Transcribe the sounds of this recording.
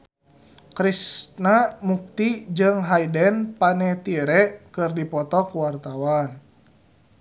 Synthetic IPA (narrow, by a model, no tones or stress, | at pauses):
kɾisnamuk̚t̪id͡ʒɨŋɦajdɛnpanɛt̪iɛɾɛʔkɨrdipɔt̪ɔkuwart̪awan